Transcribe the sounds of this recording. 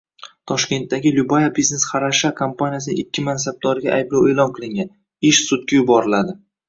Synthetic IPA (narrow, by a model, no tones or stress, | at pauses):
t̪ʰɒʃkʲe̞nt̪ːaɡʲɪlʊbajabizne̞sχɑɾaʃakʰompʰanijasɪnɪ̰ŋɪkʲʰːɪmansab̚d̪ɒɾɪɡʲa̰ʔajblˠawe̞ːlˠɒnqʰɨlˠɪŋɡʲan | ɪʃsʊt̪̚kʲajʊbɒɾɪlad̪ɪ